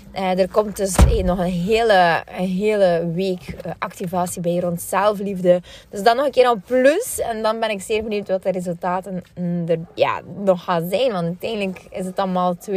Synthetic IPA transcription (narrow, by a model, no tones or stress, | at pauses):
ədərkɔmt̚dɵsnɔxənɦeːləɦeːləʋeːkəʔɑktivaːsibɛjrɔntsɛlˠflivdəd̥ɵsdɑnːɔxənkɪːɾɔpløsɛndɑnbɛnɪkz̥ɪːrbəniːwtʋɑtərezɵlˠtaːtəndərja̰ːnɔxaːnzɛjnʋɑnttɛjndləkɪsətɑlˠmaːlˠt